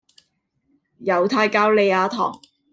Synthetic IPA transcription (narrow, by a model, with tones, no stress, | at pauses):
jɐ˨˧wt̪ʰaː˧jkaː˧wle˨˧jaː˨˧t̪ʰɔ̰ː˨˩ŋ